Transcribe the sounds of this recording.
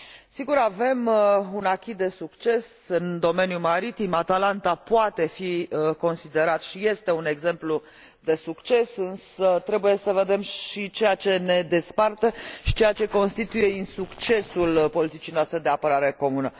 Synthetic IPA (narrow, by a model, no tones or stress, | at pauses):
siɡuɾave̞munakʲid̪e̞sukt͡ʃe̞s | ɨnd̪o̞me̞njumaɾit̪imat̪alant̪apoat̪e̞fiko̞nsid̪e̞ɾat̪ʃije̞st̪e̞une̞ɡze̞mplu | d̪e̞sukt͡ʃe̞sɨnsət̪ɾe̞buje̞səve̞d̪e̞mʃit͡ʃejat͡ʃe̞ne̞d̪e̞spart̪əʃi̥t͡ʃejat͡ʃe̞ko̞nst̪it̪uje̞insukt͡ʃe̞sulpo̞lit̪it͡ʃijnoast̪ɾe̞d̪e̞apəɾaɾe̞ko̞munə